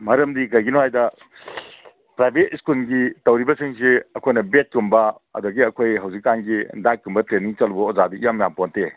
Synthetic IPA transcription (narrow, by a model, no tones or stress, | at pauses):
mɐɾɐmdikɐjɡinoɦajdɐ | pɾajbʱet̚iskulɡitɐwɾibɐsiŋseɐkʰojnɐbet̚kumbɐ | ɐ̰doɡiɐkʰojɦɐwzikːanɡidak̚ːumbɐtɾeniŋt͡ʃɐlbɐɔzadiijamjamponte